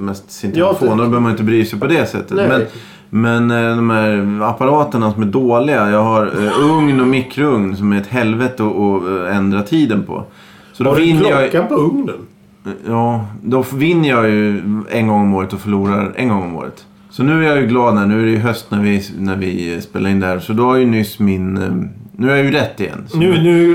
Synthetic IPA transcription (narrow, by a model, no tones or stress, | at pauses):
mɛst̪sɪnt̪foːnd̪bəœːvmnɪt̪əbɾyːsɛjpʰɔd̪ɛsɛ̰t̪ːət̪mɛn | mɛnd̪ɔmhæɾapaɾɑːt̪əɳasɔmæɖoːlɪɡajɑːɡɦaɾɵŋnɔmɪkːɾəɵŋnsɔmæɾɛt̪ɦɛlvɛt̪əɔːɛnd̪ɾat̪ʰiːd̪ənpʰɔ̰ | sɔd̪ɔvɪnːəjɑpɵŋnən | jɑːd̪ɔfvɪnːəjɑːjɵɛ̰nɡɔŋːɔmoːɾət̪ɔfœɭuːɾa̰ɾɛ̰nɡɔŋːɔmo̰ːɾə̰t̪ | sɔnʉ̟ːæɾjɑjɵɡlɑːd̪næɳʉ̟ːæɾɛjəɦœst̪næɾvɪnæɾvɪspḛːlaɾɪnd̪æhæɾsɔd̪ɔhaɾjɵnʏsːmɪnnːʉ̟ːhjajɵɾɛt̪ːɪjɛ̰nːnnʉ